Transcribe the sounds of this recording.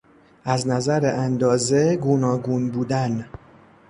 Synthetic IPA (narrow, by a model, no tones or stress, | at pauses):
ʔæznæzæɾeʔænd̪ɒːze̞ɡonɒːɡuːnbuːd̪æn